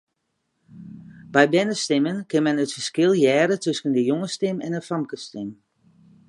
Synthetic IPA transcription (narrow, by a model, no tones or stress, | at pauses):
bɛjbɛnəstɪmənkɪnmɛnətfərskɪlˠjɛːɾətøskəndəjoŋəstɪmɛnəfɑmkəstɪm